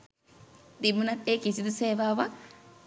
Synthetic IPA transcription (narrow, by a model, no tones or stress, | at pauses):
d̪imunat̪eːkisid̪useːʋaːʋa